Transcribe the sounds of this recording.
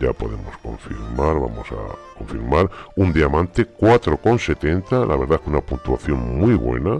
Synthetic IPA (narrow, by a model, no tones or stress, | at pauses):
apo̞̰ðe̞̰mo̞̰sko̞̰ɱfḭɾmaɾβa̰mo̞sa̰ko̞ɱfiɾmaɾund̪iamãnt̪ekwat̪ɾoko̞nse̞t̪e̞nt̪alaβe̞ɾðaekunapunt̪uaθjo̞ŋmwiβwe̞̰na